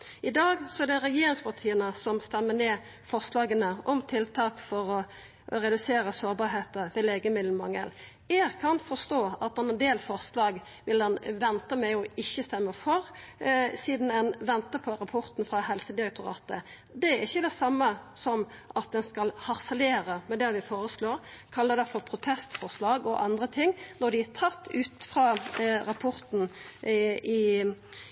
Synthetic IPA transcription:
ɪd̪ɑːɡsɔɛd̪ɛɾɛjeːɾɪŋspɑt̪ʰiːənəsɔmst̪ɛmːəneː | fɔʁslɑːɡənəʔɔmt̪ʰɪlt̪ʰɑːkfɔɾɔ | ɾɛd̪ʉseːɾəsoːɾbɑːɾɦeːt̪əʋɛleːɡəmɪd̪mɑŋə̰l | ɛɡkʰɑnfɔst̪oːɑt̪ɑnɛnd̪eːlfɔʁslɑːɡ | ʋɪld̪ɛnʋɛnt̪əmɛɪɔɪçːəst̪ɛmːəfɔɾ | siːd̪n̩ɛnʋɛnt̪əpʰɔɾɑpʰɔɾt̪n̩fʁɑɦɛlsəd̪ɪɾɛk̚t̪ʰʊɾɑ̰ːt̪ə | d̪ɛɾɪçːəd̪ɛsɑmːəsɔmʔɑt̪̚d̪ɛnskɑlhɑʁsɛleːɾəmɛd̪ɛʋɪfoːɾəsloːɾkʰɑlːəd̪ɛfɔɾpʰɾʊt̪ʰɛst̪fɔʁslɑːɡɔʔɑnd̪ʁət̪ʰɪŋːnɔd̪ɪæt̪ʰɑt̪ːʉːt̪fɾɑːɾɑpʰɔɾt̪n̩ | ɪ

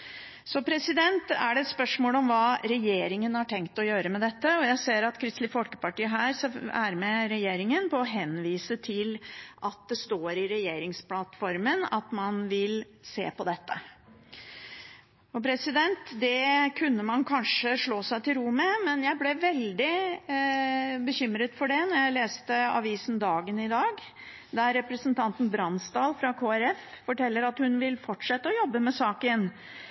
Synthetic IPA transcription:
sɔpʰɾɛsɪd̪ɛnt̪æɖɛɛt̪spœʂmoːlɔmʋɑːɾɛjeːɾɪŋənhɑʈʰɛŋkt̪ɔjøːɾəmɛd̪ɛt̪ːəɔjæɪseːɾɑt̪kʰɾɪst̪lɪfɔlkə̥pɑʈiːəɦæːɾsæɾmɛɾɛjeːɾɪŋənpɔɔɦɛnʋiːsət̪ʰɪlʔɑt̪̚d̪ɛst̪oːɾɪɾɛjeːɾɪŋsplɑt̪fɔɾmənɑt̪mɑnʋɪl | sḛːpɔd̪ɛt̪ːə̰ | ɔpʰɾɛsɪd̪ɛnt̪d̪ɛkʰʉnːəmɑnkʰɑnʂəʂɭoːsæɪt̪ʰɪlɾuməmɛnjæɪblɛʋɛld̪ɪ | bəçʏmɾət̪fɔɖɛnɔɾjæɪleːst̪əɑ̰ʋiːsn̩d̪ɑːɡənɪd̪ɑːɡ | d̪ɑɾɛpɾəsənt̪ʰɑnt̪n̩bɾɑnsd̪ɑːlfɾɑkʰoːæɾɛffɔʈʰɛlːəɾɑt̪hʉnʋɪlfɔʈʂɛt̪ːəɔjɔbːəmɛsɑːkɪɛnː

